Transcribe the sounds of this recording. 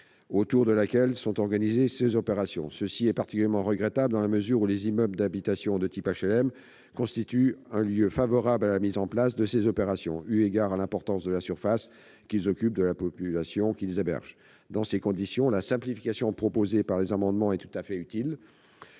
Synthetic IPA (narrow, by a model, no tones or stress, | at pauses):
ot̪uʁd̪əlakʲɛlsɔ̃t̪ɔʁɡanizesezɔpeʁasjɔ̃səsiɛpaʁt̪ikʲyljɛʁmɑ̃ʁəɡʁɛt̪abləd̪ɑ̃laməzyʁulezimœbld̪abit̪asjɔ̃d̪ət̪ipaʃɛlɛm | kɔ̃st̪it̪yɛ̃ljøfavɔʁablalamizɑ̃plasd̪əsezɔpeʁasjɔ̃yeɡaʁalɛ̃pɔʁt̪ɑ̃sd̪əlasyʁfas | kʲilzɔkʲyp̚d̪əlapɔpylasjɔ̃kʲilzebɛ̰ʁʒ | d̪ɑ̃sekɔ̃d̪isjɔ̃lasɛ̃plifi̥kasjɔ̃pχɔpozepaʁlezamɑ̃d̪mɑ̃ɛt̪u̥t̪afɛyt̪il